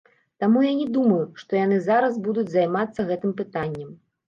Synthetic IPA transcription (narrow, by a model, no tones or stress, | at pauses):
t̪amujanʲɛd̪umɐjuʂt̪ɔjan̪ɨzaɾɐzbud̪ud͡zʲzajmat̪sːɐɣɛt̪ɨmpɨt̪anʲːɛm